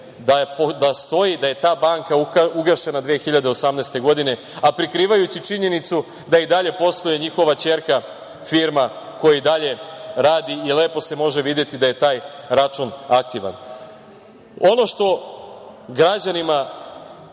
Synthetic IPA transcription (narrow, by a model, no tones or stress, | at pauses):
d̪apod̪ast̪o̞jid̪aje̞t̪aːbaːŋkauɡaʃe̞nad̪ʋeːxiʎad̪eo̞samneːst̪e̞ɡo̞d̪ine̞ | apɾikɾiːʋajut͡ɕit͡ʃiɲe̞nit̪su | d̪aid̪aʎe̞po̞st̪ojeɲixo̞ʋat͡ɕe̞ɾka | fiɾma | ko̞jaid̪aʎe̞ɾaːd̪iːle̞ːpo̞se̞mo̞ʒe̞ʋid̪je̞t̪id̪aje̞t̪aːjɾat͡ʃunakt̪iʋa̰n | o̞no̞ʃt̪o̞ | ɡɾad͡ʑanima